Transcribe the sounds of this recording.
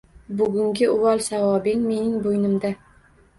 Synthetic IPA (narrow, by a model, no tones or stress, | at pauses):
bʊɡʲʊŋɡʲɪʊwɒlˠsavɒbɪŋme̞nɪŋbojnɪmd̪a